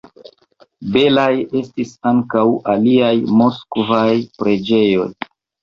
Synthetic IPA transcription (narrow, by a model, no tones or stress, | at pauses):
be̞laje̞stisaŋkawʔaliajmoskvajpɾe̞d͡ʒe̞jo̞̰j